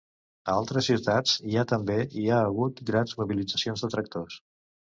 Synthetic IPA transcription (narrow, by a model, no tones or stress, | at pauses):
əalˠt̪ɾəsːiwt̪ad͡ziat̪əmbeiaəɣ̞ut̪ɡɾanzmuβilid͡zəsionzðət̪ɾək̚t̪os